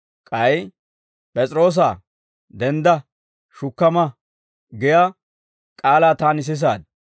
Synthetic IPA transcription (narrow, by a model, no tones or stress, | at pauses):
kʼɐj | pʼɛt͡sʼɾo̞ːs̬aː | d̪ɛnd̪ɐ | ʃʊkːɐmɐ | ɡɪjaː | kʼaːlaːt̪aːnɪs̬ɪs̬aːd̪̚